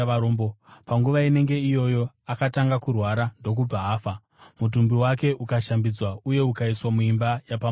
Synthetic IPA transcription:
ombopaŋɡuʋaine̞ŋɡe̞ijo̞jo̞ | akataŋɡakurwaɾando̞k̬ub͡vaɦaːfa | mut̬umbiwake̞ʔukaʃambid͡zwauje̞ukaiswamuimbajapa

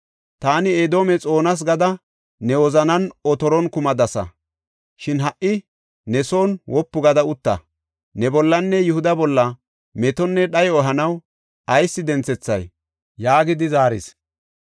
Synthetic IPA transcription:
t̪aːnɪed̪o̞ːmɛt͡sʼo̞ːnɐs̬ɡɐd̪ɐ | nɛwɔzɐnɐnɔt̪ɔɾɔnkʊmɐd̪ɐsɐ̰ | ʃɪnɦɐʔːɪ | nɛso̞ːnwɔpːʊɡɐd̪ɐʊt̪ːɐ̰ | nɛbɔlːɐnːɛjʊhʊd̪ɐbɔlːɐ | mɛt̪ɔnːɛɗɐjɔːɦɐnɐw | ɐjsːɪd̪ɛnt͡sɛt͡sːɐj | jaːɡɪd̪ɪzaːɾɪ̰s

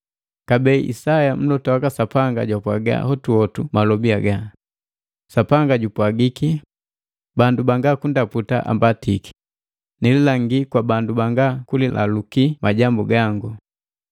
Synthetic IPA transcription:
kabɛiʔḭsajam̩lɔtɔakasapaŋɡa̰ɟwapwaɡa̰hɔtuɔtumalɔbiaɡa | sapaŋɡaɟupwaɡiki | bandubaŋɡakundaputa̰ʔa̰mbatiki̥ | nɛlɛlaŋɡikwabandubaŋɡakulilʔa̰lukimaɟambuɡaŋɡu

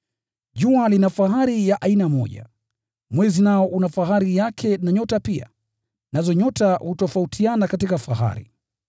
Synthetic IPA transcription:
ʄualinafaɦaɾijaʔainamɔ̰ʄa̰ | mwɛzinaɔʔunafaɦaɾijakʰɛnaɲɔtapia̰ | nazɔɲɔtahutɔfautʰianakatikafaɦa̰ɾḭ

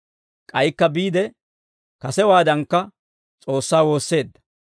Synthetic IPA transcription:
kʼɐjkːɐbiːd̪ɛ | kɐsɛwaːd̪ɐŋkːɐ | t͡sʼo̞ːsːaːwo̞ːsːe̞ːd̪ːɐ̥

